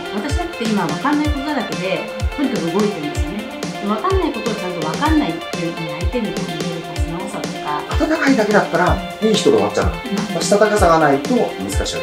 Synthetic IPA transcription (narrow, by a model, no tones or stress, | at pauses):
βat̪aɕid̪akɯ̥t̪ːeimaβakanːaikot̪ad̪ake̞d̪e̞ | pɯnt̪oɯɡo̞it̪eĩnd̪esɨjo̞ned̪mβakanːaiko̞t̪o̞βat͡ɕãnt̪o̞β̞akanːait̪ːeɯiait̪e̞nɯt̪ooineɾokasɨnaosat̪o̞kaat̪at̪akaid̪ake̞d̪at̪ːaɾa | iːçi̥t̪o̞d̪ḛma̰t͡ɕːa̰ | t̪aɕi̥t̪at̪akasaɡanait̪o̞mɯ̟zɨ̥kaɕik